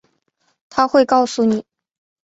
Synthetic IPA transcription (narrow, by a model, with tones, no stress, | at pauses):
t̪ʰa˥xwe˥˧ɪkɑ˥˧ʊsu˥˩ni˨˩˦